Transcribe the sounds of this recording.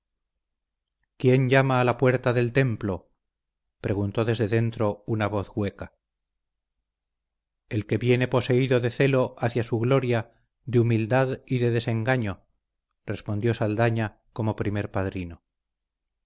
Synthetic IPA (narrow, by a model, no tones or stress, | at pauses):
kje̞ɲɟ͡ʝamaːlapwe̞ɾt̪aðe̞lt̪e̞mplo̞ | pɾe̞ɣunt̪o̞ðe̞zðe̞ðe̞nt̪ɾo̞unaβo̞θɣwe̞ka | e̞lke̞βje̞ne̞po̞se̞iðo̞ðe̞θe̞lo̞ʔaθjasuɣlo̞ɾja | d̪eumild̪aðiðe̞ðe̞se̞ŋɡaɲo̞ | re̞spo̞nd̪jo̞sald̪aɲa | ko̞mo̞pɾime̞ɾpaðɾino